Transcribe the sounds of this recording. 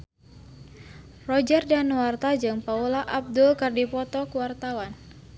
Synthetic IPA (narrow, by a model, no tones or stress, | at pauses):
rɔd͡ʒərdanuwart̪ad͡ʒɨŋpaulaʔab̚dulkərdipɔt̪ɔkuwart̪awan